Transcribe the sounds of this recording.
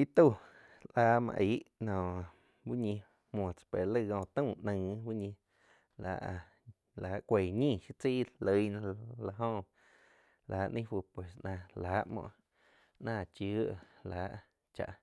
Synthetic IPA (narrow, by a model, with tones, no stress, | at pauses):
i˦t̪u˦˧˨ | ʔʔaː˧˦mã̰˧ʔi˨˦ʔnɔ̃ː˨ | wu˦ɲĩ˧ | m˧õ˨t͡sḁ˨pe˨lə˦˧˨ɡõː˧˨t̪ə̃˦˨ʔnə̃˧˨wu˦ɲĩ˧ | la̰˨ʔ | laː˨˦ʔkʷe˨ɲĩ˦˧˨ʃi˧t͡siː˦lə˧jñ˧la˧ɦõ˦˧ | lʔaː˨˦ʔnʔə̃˦fu˧˨pwe˨snã˧laː˨˦ʔmɔ̰̃˧˨ʔ | nãː˧˨t͡ʃuː˨˦ʔlaː˨˦ʔ | t͡ʃa̰˧ʔ